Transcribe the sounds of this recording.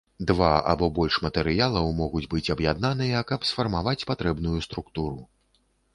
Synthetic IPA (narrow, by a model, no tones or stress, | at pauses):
d̪vaa̰bɔbɔlʲʂmɐt̪ɛɾɨjalˠɐwmɔɣud͡zʲbɨt͡sʲɐbjad̪nanɨjɐkɐpsfɐrmavat͡sʲpat̪ɾɛbnujust̪ɾukt̪uɾu